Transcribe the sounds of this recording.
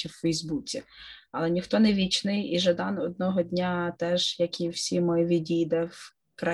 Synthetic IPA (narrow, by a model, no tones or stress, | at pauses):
iwfɛjzbut͡sʲiɐ̰lˠɛnʲixt̪ɔnɛʋʲit͡ʃnɪjiʒɐd̪ɑnɔd̪̚nɔɦɔd̪ʲnʲat̪ɛʒ̥jɐkiwsʲimɔjɔʋʲidʲijd̪ɛw | kɾɐ